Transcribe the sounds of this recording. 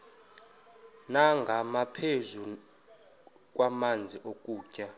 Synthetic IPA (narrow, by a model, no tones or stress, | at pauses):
naŋɡʱamapʰezu | k̬ʼwamand͡zʱiʔokʼuːcʼa